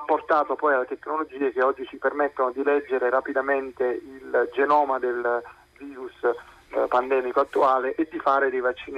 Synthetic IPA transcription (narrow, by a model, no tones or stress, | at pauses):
apːort̪aːt̪opɔjalːet̪ekːnolod͡ʒiːek̟eɔd͡ʒːit͡ʃipermet̪ːonod̪ilɛd͡ʒːeɾeɾapid̪ament̪eild͡ʒenɔːmad̪el | viːɾus | pand̪ɛːmikoat̪ːuaːleʔed̪ːifaːɾed̪ejvat͡ʃːiːn